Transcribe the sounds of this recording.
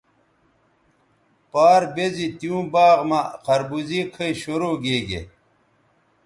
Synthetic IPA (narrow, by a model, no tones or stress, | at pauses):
paːɾbezit̪ijũːbaːɣmaqʰɐɾbuzikʰɐiɕoɾoːɡeːɡḛ